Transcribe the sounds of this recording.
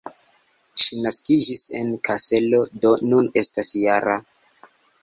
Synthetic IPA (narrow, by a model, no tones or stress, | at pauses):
ʃinaskid͡ʒise̞̰nkʰase̞lo̞do̞nune̞stasjaɾa